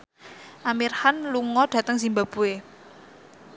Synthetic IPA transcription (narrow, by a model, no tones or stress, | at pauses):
ʔamirhanluŋɔɖ̥ä̤t̪əŋsimbab̥ue